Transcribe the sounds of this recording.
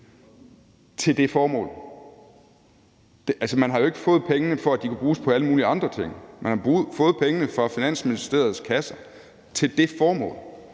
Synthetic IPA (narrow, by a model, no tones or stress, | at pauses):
t͡sʰe̝ld̥e̝fɒːmɔ̰̽ːl | d̥ʔælsəmænɦɑ̈jo̝e̝ɡ̥ə̥fɔ̽ːð̞̩ˠpʰeŋənəfɒ̽æd̥ikʰæb̥ʁuːspʰɒ̽æləmuːliɑ̈nd̥ʁɐt͡sʰe̝ŋ̰mænhɑb̥ʁuːð̩ˠfɔ̽ːð̞̩ˠpʰeŋənəfʁɑ̈finæn̰sminisd̥e̝̰ːɐð̞ˠskʰæsɐ | t͡sʰe̝ld̥e̝fɒːmɔ̰̽ːl